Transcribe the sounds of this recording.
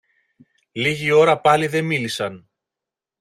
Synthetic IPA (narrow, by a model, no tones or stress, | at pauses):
liʝio̞ɾɐpɐliðemilisɐn